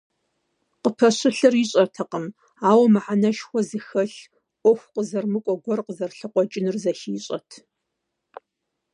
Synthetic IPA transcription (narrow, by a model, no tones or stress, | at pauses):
qəpʰɐɕɨɬɨrɪɕʼɐtʰɐqəm | aːwɐmɨħanɐʃxʷɔzɨxɐɬ | ʔʷɔxʷqəzɐrmɨkʷʼɔɡʷɔrqəzɐrɬɨqʷɔt͡ʃʼɪnɨrzɐxiːɕʼɐ̰tʰ